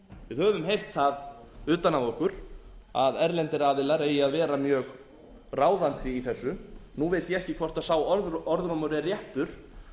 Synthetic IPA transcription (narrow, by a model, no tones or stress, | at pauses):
vɪðhœːvʏmɦejr̥t̪θað | ʏːt̪anavɔhkʏɾ̥aðɛɾlɛnt̪ɪɾaːðɪlaɾeːjɪaðvɛːɾamjœːɣ | raːwðant̪ɪiθɛsːʏnuvejt̪jɛɛhcɪkʰvɔr̥t̪aðsaːwɔɾðɔɾðɾɔmʏɾɛrjɛht̪ʏɾ̥